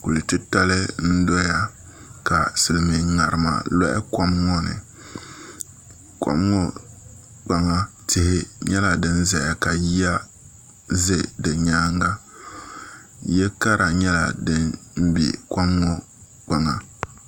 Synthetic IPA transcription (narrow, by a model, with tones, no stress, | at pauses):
ku˨ltɨ˦ta˦lɪ˦n̩˦dɔ˦ja˦ | ka˨sɨ˨lɪ˨mɪ˨ŋ˦ŋa˨ɾɨ˨ma̰˨la̰˦ʔɪ̰˦ka˦mŋɔ˦nɨ̰˨ | ka̰˦mŋɔ˦ | k͡pa˨ŋa˦ | tɪ˨hɪ˦ɲɛ˦la˨dɨ˦nza˨ja˨ka˨ji˦a˦ | ze˦dɨ˨ɲaː˦ŋa˦ | jɛ˦ka˦ɾa˨ɲɛ˦la̰˨dɨ˦nm̩˦bḭ˨ka˦m˦ŋɔ˦ | k͡pa˦ŋa˦